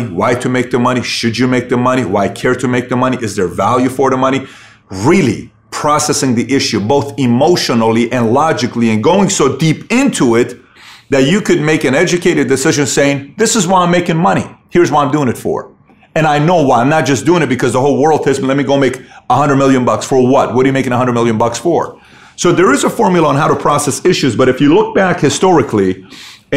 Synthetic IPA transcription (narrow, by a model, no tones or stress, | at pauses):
iwaɪɾʰɨmeɪk̚ðɨmʌɾ̃iʃɨd͡ʒɨmeɪk̚ðɨmʌɾ̃iwaɪkʰɛɹɾɨmeɪk̚ðəmʌñiʔɨzðə˞vælˠjʉfə˞ðəmʌñi | ɹilˠḭ | pʰɹ̥ɑsɛsɪ̃ŋðiʔɪʃʉboʊθɨmoʊʃənl̩ˠiʔɨ̃nlɑd͡ʒɨkliɨ̃nɡoʊɪ̃ŋsoʊdipɪ̃ntʰuɪt̪̚ | ðɨt͡ʃɨkʰɨd̚meɪkɨ̃nɛd͡ʒɨkʰeɪɾɨdɨsɪʒɨ̃nseɪɪ̃ŋðɪsəzwaɪãɪ̃meɪkɪ̃ŋmʌɾ̃ḭhiɹzwaɪãɪ̃mdʉɪ̃ŋɨtfə̰˞ | ɨ̃naɪnoʊwaɪãɪmnət̚d̥ʒ̥ʌsd̥ʉɪ̃ŋɨt̚b̥ɨkʰʌzðəɦoʊlˠwɜ˞lˠd̚hɪsmn̩lɛt̚miɡoʊ̃meɪkəhʌ̃ndɹəd̚mɪlˠjɨ̃nbʌksfə˞wʌt̚wʌdɨjɨmeɪkɪ̃ŋəɦʌ̃ndɹəd̚mɪlˠjɨ̃nbʌksfə̰˞ | soʊðə˞ɨzəfɔɹmjl̩ˠəə̃nɦaʊɾəpʰɹ̥ɑsɛsɪʃʉzbʌɾɨfjɨlʊk̚b̥ækhɨstɔɹɨkʰli